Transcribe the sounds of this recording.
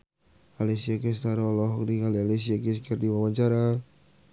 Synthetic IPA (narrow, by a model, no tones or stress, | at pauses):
alesiakɛst̪aɾaɔlɔɦdikaliales̬iakis̬kɛrdiwawaɲt͡ʃaɾa